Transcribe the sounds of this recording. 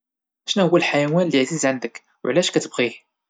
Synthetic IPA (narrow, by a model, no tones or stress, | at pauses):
ʔæʃnæhʊwːælħajæwænləʕzizʕand̪ək | w̰ʕlæʃkæt̪əbʁih